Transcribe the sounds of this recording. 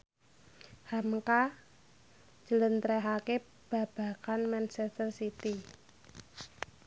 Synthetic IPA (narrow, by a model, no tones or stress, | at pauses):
hamka | d͡ʒ̥ə̤lənt̪ɾɛɦake | b̥a̤b̥a̤kanmant͡ʃɛst̪ərsit̪i